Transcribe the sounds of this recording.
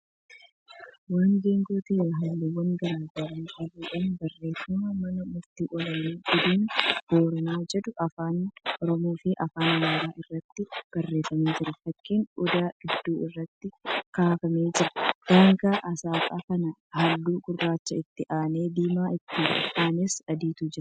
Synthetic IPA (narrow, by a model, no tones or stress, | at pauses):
waːnɡeːŋɡuːt̪eːɾɐɦɐlːɪwɐŋɡɐɾaːɡɐɾɐnʔɐruːᶑɐnbɐrːe̞ːfʊmɐmɐnɐmʊɾt̪iːʔɔlɐniːɡʊd̪iːnʔoːɾɐnaːd͡ʒɛd̪ʊʔɐfaːnʔɔɾɔmoːfɪʔɐfaːnmaːɾaːʔɪrːɐt̪ːɪb̥ɐrːe̞ːfɐmiːd͡ʒɪɾɐfɐkːiːnɔd̪aːɡ̥ɪd̪ːuːɪrːɐt̪ːɪkaːfɐmeːd͡ʒɪɾɐ̥d̪̥ɐŋɡaːʔɐsaːkʼaːkɐnɐhɐlːuːɡʊrːaːt͡ʃːɐɪt̪ːɪʔaːne̞ːd̪iːmaːʔɪt̪ːɪːɾ̰ʔaːnesɐd̪iːt̪uːd͡ʒɪɾɐ